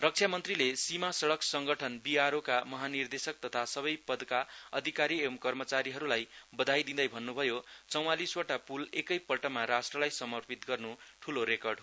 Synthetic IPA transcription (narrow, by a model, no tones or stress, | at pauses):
rʌk̚t͡sʰjamʌnt̪rilesimasʌɽʌksʌŋɡʌʈʰʌnbiaɾokamʌɦanird̪esʌk̚t̪ʌt̪ʰasʌβʌjpʌd̪kaʌd̪ʱikaɾiemkʌrmʌt͡saɾiɦʌɾulajbʌd̪ʱajd̪ind̪ʌjbʱʌnːubʱʌjot͡sʌw̃aliswʌʈapulekʌjpʌlʈʌmaɾasʈrʌlajsʌmʌrpit̪ɡʌrnuʈʰuloɾekʌrɖ